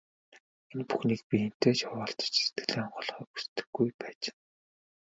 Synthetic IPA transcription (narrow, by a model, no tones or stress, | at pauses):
enpu̥xniːk̚pʲixen̥t̪eːt͡ɕawaːɬt̪ə̥t͡ɕist̪̚ɡɘ̆ɮeːɔɴɢɞ̆ɮχœːku̥st̪ɘ̥̆ɡːujpæːt͡ɕɪ̥n